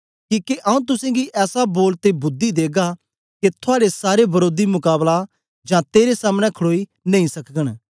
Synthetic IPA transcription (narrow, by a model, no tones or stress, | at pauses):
kĩːkeʔɐũt̪̬ʊsɛ̃ɡiʔɛːsaboːlt̪ebʊd̪ːid̪eːɡa | ket̪ʰʊaːɽesaːɾebɐɾoːd̪imʊkaːbla | d͡ʒãːt̪eːɾesaːmñɛ̃kʰɽoːinɐ̃ĩsɐkəɽ̃